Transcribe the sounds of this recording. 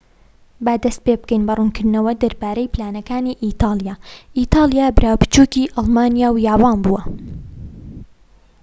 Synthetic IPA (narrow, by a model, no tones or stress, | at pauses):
bɐd̪ɐst̪̚peːbɨkɛjnbɐruːnkʰɨɾd̪nɐwɐd̪ɐɾbaːɾɐjpʰlaːnɐkaːniːʔit̪ʰɑːlˠjaːʔit̪ʰɑːlˠijaːbɾʔaːwpɨ̥t͡ʃuːkiʔɑlˠmɑːnijaːwjaːwɑːnbuːɐ